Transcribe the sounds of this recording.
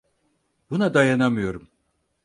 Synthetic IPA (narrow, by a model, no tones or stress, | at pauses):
b̥unad̪ajanamɯjo̞ɾum